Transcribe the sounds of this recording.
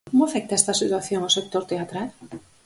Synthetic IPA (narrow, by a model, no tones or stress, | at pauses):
komoafek̚t̪aest̪asit̪uaθjoŋasek̚t̪oɾt̪eat̪ɾal